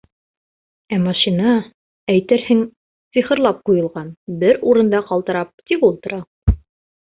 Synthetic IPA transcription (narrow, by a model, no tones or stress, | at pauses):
æmɑʃinɑ | æjt̪ɘɾhɘŋ | siχɤ̆ɾlˠɑp̚qujɤ̆lˠʁɑnbɘɾuɾɤ̆nd̪ɑqɑlˠt̪ɤ̆ɾɑp̚t̪ipulˠt̪ɤ̆ɾɑ